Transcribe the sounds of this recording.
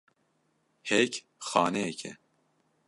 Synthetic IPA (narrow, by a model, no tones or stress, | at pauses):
hɛc | xɑːnɛjɛkʰɛ̰